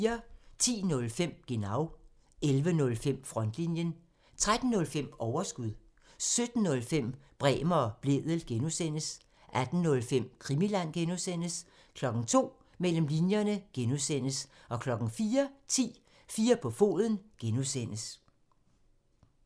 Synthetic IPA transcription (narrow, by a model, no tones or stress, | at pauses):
ɐt͡sʰḭːnɔ̽lfem̰ɡ̥e̝nɑ̈ʊ | elʋənɔ̽lfem̰fʁɒ̽n̰d̥linjən | t͡sʰʁad̥n̩ːɔ̽lfem̰ɒʊɐsɡ̥uðˠ | sød̥n̩ːɔ̽lfem̰b̥ʁɛ̰ːmɐɒb̥le̝ðˠəl̩ɡ̥enusen̰əs | ʔæd̥n̩nɔ̽lfem̰kʰʁimilæn̰ɡ̥enusen̰əs | kʰlɒ̽ɡ̥n̩t͡sʰo̝̰ː | mel̰m̩linjɐnəɡ̥enusen̰əsɒ̽kʰlɒ̽ɡ̥n̩fiːɐt͡sʰḭː | fiːɐpʰɒ̽fo̝̰ːðˠən̩ɡ̥enusen̰əs